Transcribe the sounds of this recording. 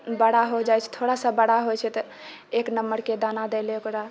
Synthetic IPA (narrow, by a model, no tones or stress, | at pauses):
bəɽ̤aɦod͡ʒajt͡ʃʰɛ̥t̪ʰoɽasə̃bəɽaɦojt͡ʃʰɛt̪ɔ | eknəmːəɾked̪anad̪eleokɾa